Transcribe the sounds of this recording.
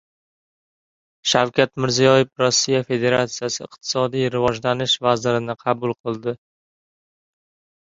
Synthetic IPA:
ʃawkʲʰat̪mɪɾzijɒjɪfɾɒsːijafe̞d̪e̞ɾat̪sijasɪɪ̰q̚t̪ʰɪ̥sɒd̪ijɾɪvɒd͡ʒlanɪʃvazɪɾɪnɪqʰɑbʊlˠqʰɨlˠd̪ɪ

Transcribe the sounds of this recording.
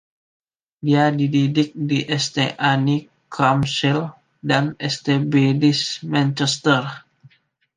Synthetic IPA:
diadididɪk̚diʔɛst̪eʔani | kʰamsil | danɛst̪ebedismɛ̃nt͡ʃɛst̪ər

